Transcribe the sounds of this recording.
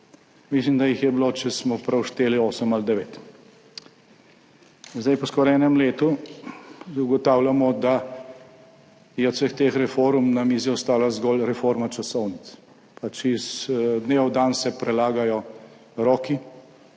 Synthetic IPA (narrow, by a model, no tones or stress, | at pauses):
mislimd̪ajixjɛbilot͡ʃɛsmɔpɾɛwʃt̪eːlioːsəmald̪ɛʋeːt̪ | zd̪ajpɔskɔːɾɛːnɛmleːt̪u | uɡɔt̪aːwljamɔd̪a | jɛɔt̪səxt̪eːxɾɛfoɾmnamiːziɔst̪aːlazɡɔːlɾɛfoɾmat͡ʃasɔwnit̪s | pat͡ʃizd̪neːʋɔwd̪aːnsɛpɾɛlaːɡajɔ | ɾɔːki